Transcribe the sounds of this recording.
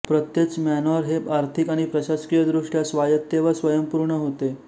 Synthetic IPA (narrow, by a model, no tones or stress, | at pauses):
pɾət̪jet͡smænɔɾɦebaɾt̪ʰikaɽ̃ipɾəɕaskijəd̪ɾuʂʈjasʋajət̪ːeʋasʋəjəmpuɾɳəɦot̪e